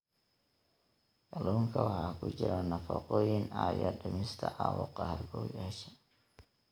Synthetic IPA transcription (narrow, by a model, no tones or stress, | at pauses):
kɐlɔːŋkʰɐwɑħɑːkʰʊt͡ʃɪɾɔnɐfɑqɔːjɪnaːjɐɖɐmɪst̪ʰɐʕɑːwʊqɑhɐrɡɔːjaʃɛ